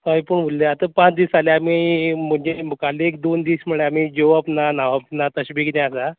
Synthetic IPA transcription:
səjpuːɳʋulːeat̪əpãt͡sd̪iːsaleamim̤əɳd͡ʑekaleːk̚d̪ond̪iːsm̤əɭeam̤iːd͡ʑoʋapnanaʋapnat̪əɕbiknɛasa

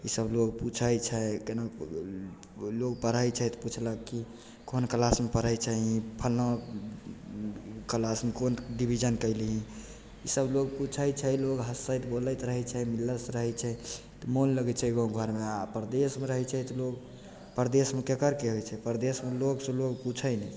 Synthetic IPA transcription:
isəbloɡput͡ʃʰəjt͡ʃʰɛkena | loɡpəɾəjt͡ʃʰɛt̪put͡ʃʰləɡki | konkəlasmepəɾ̤əjt͡ʃʰəɦĩpʰəlnə | kəlasmekonɖibʱid͡ʒənkəɪliɦĩ | isəbloɡ̚put͡ʃʰəjt͡ʃʰɛloɡɦəsəjt̪boləjt̪ɾəɦɛt͡ʃʰɛmilːəsɾəɦɛt͡ʃʰɛ | t̪ɔmonləɡɛt͡ʃʰɛɦɡoɡʱəɾmeapəɾd̪esmeɾəɦɛt͡ʃʰɛt̪ɔloɡ | pəɾd̪esmekekəɾkeəɡɛt͡ʃʰɛpəɾd̪esmeloɡsə̃loɡput͡ʃʰənɛ

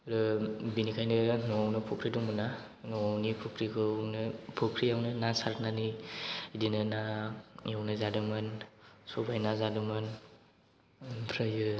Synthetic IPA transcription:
ɾɯbinikʰajnɯnɔawnɯpʰukʰɾidɔŋmɯna | nɔawnipʰukʰɾikʰɯnɯpʰukʰɾijawnɯnasaɾk̚naniidinɯnajawnɯzadɯmɯnsɔbajnazadɯmɯn | pʰɾajɯ

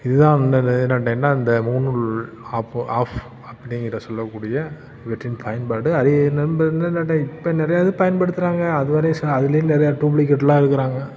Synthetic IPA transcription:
ɪðɯðãːnɛnːɐʈːɐːnaːɪnd̪ɐmuːnɯɭ | aːpaːf | ɐpːɐɽɪŋɡɪɾɐsɔlːɐkːuːɽɪjɐ | ʋɛʈɾɪnpɐjɐnpaːɽɯɐðɯnɐbɐnːɐnːɐʈːɐ̃ɪpːɐnɪɾɐjaːðɯpɐjɐnpɐɽɯt̪ːɯɾaːŋɡɐːðɯʋɐɾɐjsɐðɪlɐjʊ̃nɛɾɐjaʈuːblik̬ɛʈːɐlaːɪɾɯkːɯɾaːŋɡɐ

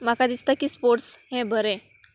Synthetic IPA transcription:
makad̪ist̪akiːspoɾʈshɛ̃bʱəɾɛ̃

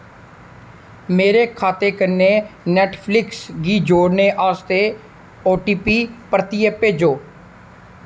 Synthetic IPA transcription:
meːɾeːkʰaːt̪eːkəɾneːnɛːʈʰpʰlɪksɡiːd͡ʒoːɽneːʔaːst̪eː | oːʈiːpiːpɾət̪ijepeːd͡ʒoː

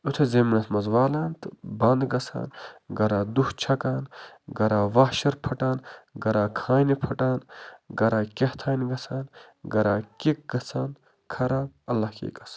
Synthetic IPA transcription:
ut̪ʰezemnɐsmɐzʋaːlaːnt̪ɨbɐnd̪ɡɐsa̰ːnɡɐɾaːd̪uht͡ʃʰɐkaːnɡɐɾaːʋahʃɐɾpʰɐʈaːnɡɐɾaːkʰaːjnipʰɐʈaːnɡɐɾaːkeht̪ʰaːjniɡɐt͡sʰaːn | ɡɐɾaːkik̚ɡɐt͡sʰaːn | kʰɐɾaː | ɐlːahkḛːkɐs

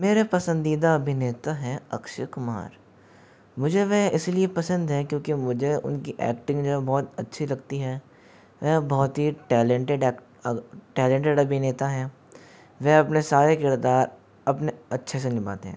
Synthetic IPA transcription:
meːɾepɐsə̃nd̪iːd̪aɐbʱɪneːt̪aɦɛɐ̰kʃəkʊma̰ːɾ | mʊd͡ʒʱeʋɛɪsliepɐsə̃nd̪ɦɛ̃kjõːkimʊd͡ʒʱeʊ̰nkiʔɛ̰ːkʈɪ̃ŋɡd͡ʒoːɦɛbɔːt̪ɐtːʃʰilɐɡt̪iɦɛː | ʋɛbɔːt̪ɦiʈɛːlẽɳʈeɖɛːkʈ | ʈɛːlẽɳʈeɖɐbʱɪneːt̪aɦɛ | ʋɛɐpnesaːɾekɪɾd̪aːɾ | ɐpneɐtːʃʰes̬enɪba̰ːt̪eɦɛ̃ː

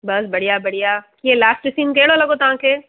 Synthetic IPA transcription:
bɐsbɐɽ̤ijabɐɽijakielaːsʈɪsiːnkeːɽolɐɡot̪ãke

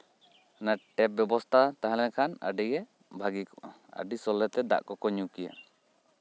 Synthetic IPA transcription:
naʈɛp̚bɔbɔst̪ʰat̪aɦãlɛkʰanə̰ɖiɡɛ | bʱaɡikɔ̥ | ə̰ɖisɔlɛt̪ɛd̪a̰ʔkɔkɔɲukija̰

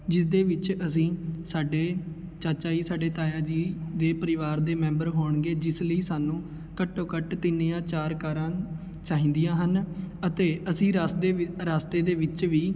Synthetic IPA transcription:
d͡ʒɪsd̪eːʋɪt͡ʃəsĩːsaːɖeː | t͡ʃaːt͡ʃaːiːsaːɖeːt̪aːjãːd͡ʒiːd̪eːpəɾɪʋaːɾd̪eːmɛ̃ːmbəɾɦoːɳɡeːd͡ʒɪsləiːsaːnũː | kəʈːoːkəʈt̪ɪnːeːãːt͡ʃaːɾkaːɾãː | t͡ʃaːɦĩːnd̪ijãːɦənət̪eːʔəsĩːɾaseɾaːst̪eːd̪eːʋɪt͡ʃʋiː

